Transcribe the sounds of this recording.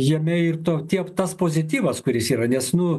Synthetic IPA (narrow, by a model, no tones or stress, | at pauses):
jiɛmʲɛɪrt̪oːt̪ʲiɛpt̪ɐspoːzʲɪt̪ʲiːʋɐskʊɾʲɪsiːɾɐnʲɛsnʊ